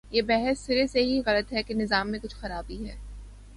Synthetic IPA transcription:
jeːbɛɦɛsːɪɾeseɦiɣɐlət̪ɦɛkenɪzaːmːẽkʊt͡ʃʰxɐɾaːbiɦɛː

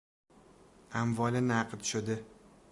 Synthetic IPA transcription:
amvɒlɪnaqt̪ʰʊ̥ʃad̪ɪ

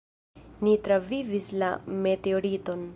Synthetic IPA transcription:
nitɾavivisla̰me̞teoɾito̞n

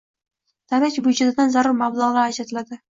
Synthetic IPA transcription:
d̪̥ʰaɾakʲbʊd͡ʒɪd̪ɪd̪anzaɾʊɾmablˠaʁlɑːd͡ʒat̪ʰɪlad̪ɪ

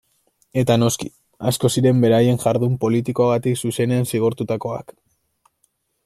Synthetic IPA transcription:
e̞t̪ano̞ski | asko̞siɾe̞mbe̞ɾaje̞ŋʝaɾðumpo̞lit̪iko̞aɣ̞at̪iksuse̞ne̞ansiɣ̞oɾt̪ut̪ako̞a̰k

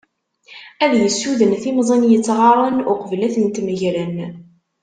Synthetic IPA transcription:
æðjəsːuðənθimzˤenjət͡sːʁɑɾˤənʊqəvlæθənt̪məʝɾən

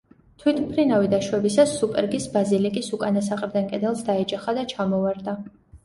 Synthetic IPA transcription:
t̪ʰwit̪ʰpʰɾinavid̪aʃwɛbisasːupʼɛɾɡisbazilikʼisukʼanasaqʼɾd̪ankʼɛd̪ɛlˠsd̪aɛd͡ʒaχad̪at͡ʃʰamɔvaɾd̪a

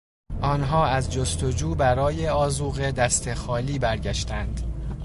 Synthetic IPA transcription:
ʔɒːnɦɒːæzd͡ʒost̪od͡ʒuːbæɾɒːjeɒːzuːɣe̞d̪æst̪ʰe̞xɒːliːbæɾɟæʃt̪ænd̪̥

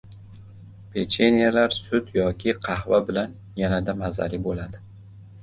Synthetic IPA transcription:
pʰet͡ʃʰenijalaɾsʊt̪jɒkʲʰɪqʰɑhvabɪlan | janad̪amaza̰lɪbolad̪ɪ

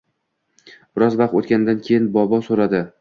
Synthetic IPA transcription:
b̥ɪɾɒzvaq̚t̪ot̪̚kʲand̪ankʲʰe̞jɪnbɒbɒsoɾad̪ɪ

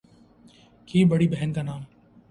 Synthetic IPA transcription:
kiːbəɽiːbɛɦənkaːnaːm

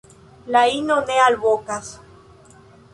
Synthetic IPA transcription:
lainonealβokas

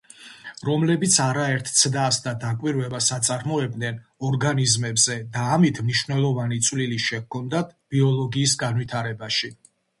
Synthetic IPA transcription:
ɾɔmlɛbit̪sʰaɾaɛɾt̪ʰt̪sʰd̪asd̪ad̪akʼwiɾvɛbasat̪sʼaɾmɔɛbd̪nɛnɔɾɡanizmɛbzɛd̪aːmit̪ʰmniʃwvnɛlˠɔvanit̪sʼwliliʃɛkʰɔnd̪at̪ʰb̥iɔlˠɔɡiːsɡanwit̪ʰaɾɛbaʃi

